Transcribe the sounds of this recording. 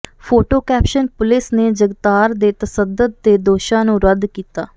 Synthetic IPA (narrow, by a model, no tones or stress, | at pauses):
pʰoːʈoːkɛːpʃənpʊlɪsneːd͡ʒəɡt̪aːɾd̪eːt̪əsəd̪əd̪̚ːeːd̪oːʃãːnũːɾəd̪kiːt̪a̰ː